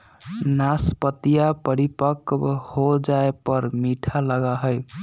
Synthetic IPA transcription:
naspət̪ijapəɾipəkhod͡ʒaepəɾmiʈʰaləɡaɦəj

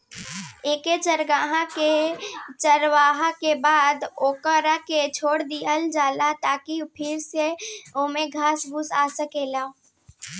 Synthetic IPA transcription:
eːket͡ʃəɾɡaːɦãket͡ʃəɾʋaːɦãkebaːd̪oːkəɾaket͡ʃʰoːɽd̪iəld͡ʒaːlat̪aːkipʰɪɾseoːmẽɡʱaːsbʊsaːsəkeːlaː

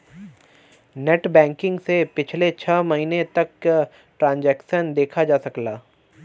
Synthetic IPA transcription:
neːʈbɛ̃ːŋkɪ̃ŋɡsepɪt͡ʃʰlet͡ʃʰɐːmɐɦiːnet̪ɐk | ʈɾãːnd͡ʒɛːkʃənd̪eːkʰad͡ʒaːsɐklaː

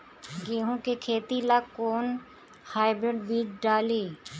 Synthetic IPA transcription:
ɡeːɦõkekʰeːt̪ilakoːn | haːɪbɾeɖbiːʈɖaːliː

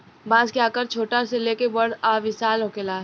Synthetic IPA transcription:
bãːzkeaːkəɾt͡ʃʰoːʈaɾseleːkebɐɽaːʋɪsaːlɦoːkelaːɦ

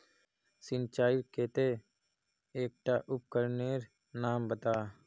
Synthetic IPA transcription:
sɪnt͡ʃaːiɾkeːt̪eː | eːk̚ʈaːʔʊp̚kəɾneːɾ | naːmbət̪aː

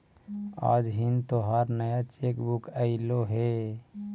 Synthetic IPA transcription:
a̰ːd͡ʒɦint̪oɦaɾnəjat͡ʃeːkbukəɪloɦe

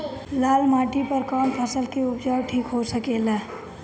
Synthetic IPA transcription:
laːlmaːʈipəɾkɔːmpʰəsəlkeʊpd͡ʒaːʈʰiːkɦosəkelaː

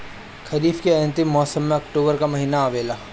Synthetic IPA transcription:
kʰɐɾiːfkeɐ̃nt̪ɪmːɔːsəmːẽɐkʈoːbəɾkamɐɦiːnaːʋeːlaː

